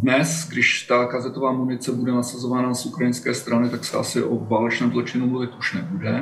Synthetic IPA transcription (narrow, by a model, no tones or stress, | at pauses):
dnɛsɡdɪʃt̪akazɛt̪ovaːmunɪt͡sɛbudɛnasazovaːnasukɾajɪnskɛːst̪ɾanɪt̪aksɛʔa̰sɪʔovaːlɛt͡ʃnɛːmzlot͡ʃɪnumluvɪt̪ʔuʃnɛbudɛ